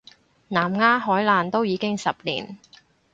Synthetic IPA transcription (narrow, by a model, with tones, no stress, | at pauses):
naː˨˩mŋaː˥ɦɔː˨˥jlaː˨nt̪o˥wjiː˨˧kɪ˥ŋsɐ˨p̚lḭː˨˩n